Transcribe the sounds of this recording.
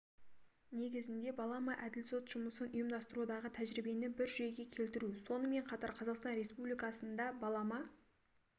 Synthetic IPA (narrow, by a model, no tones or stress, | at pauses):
ne̞ɡʲɪzɪnd̪e̞bɑlˠɑmɑʔæd̪ɪlso̞t̪ʒ̥ʊməsənʊjəmd̪ɑst̪əɾud̪ɑʁət̪ʰæʒɾɪbe̞nɪbɪɾʒeɡʲe̞kʲʰe̞lt̪ɪɾuso̞nəme̞ɴqʰɑt̪ɑɾqʰɑzɑqst̪ɑnɾe̞spublijkɑsənd̪ɑbɑlˠɑmɑ